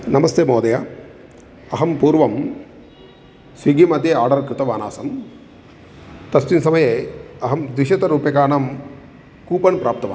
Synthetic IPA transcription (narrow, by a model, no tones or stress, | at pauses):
nɐmɐst̪eːmoːd̪ɐjɐ | ɐɦɐmpuːɾʋɐm | sʋiɡimɐd̪ʱjeaːɾɖɐɾkɾɪt̪ɐʋaːna̰ːsɐm | t̪ɐst̪insɐmɐjeɐɦɐmd̪ʋiʃɐt̪ɐɾuːpjɐkaːnɐm | kuːpɐnpɾaːp̚t̪ɐʋa̰ː